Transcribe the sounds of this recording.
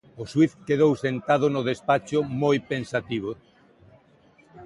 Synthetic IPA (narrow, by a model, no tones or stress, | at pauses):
oswiθkeðowsent̪aðʊnʊðespat͡ʃomojpẽnsat̪iβ̞o